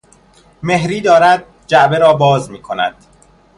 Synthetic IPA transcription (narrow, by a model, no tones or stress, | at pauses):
me̞ɦɾiːd̪ɒːɾæd̪̚ | d͡ʒæʔbe̞ɾɒːbɒːzmiːkʰonæ̰d̪̥